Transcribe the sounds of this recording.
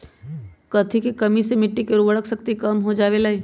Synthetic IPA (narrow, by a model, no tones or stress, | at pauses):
kɐt̪ʰikekɐmisemɪʈːikeɾubəɽəksəkt̪ikɐmɦod͡ʒaːʋelaiː